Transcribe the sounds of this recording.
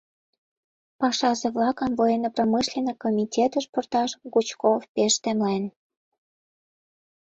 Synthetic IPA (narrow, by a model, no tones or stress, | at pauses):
pɑʃɑzeβlɑkəmvojenopromɨʃlʲenekomʲitʲet̪əʃport̪ɑʃɣut͡ɕkofpeʃt̪emlen